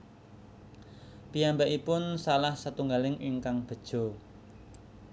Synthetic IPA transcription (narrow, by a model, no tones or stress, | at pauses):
pijambaʔipʊnsalahsət̪uŋɡalɪŋʔiŋkaŋb̥ə̤d̥ʒ̥o̤